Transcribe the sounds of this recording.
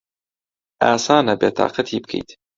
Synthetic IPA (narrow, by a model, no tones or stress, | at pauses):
ʔaːsaːnɐbeːt̪ʰɑ̰ːqɐt̪ʰiːbɨkʰḛjt̪